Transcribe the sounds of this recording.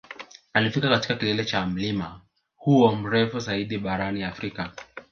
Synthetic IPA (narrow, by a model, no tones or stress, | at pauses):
alifikakati̥kakilɛlɛt͡ʃam̩lima | huɔm̩ɾɛfuzaiɗiɓaɾaniafɾika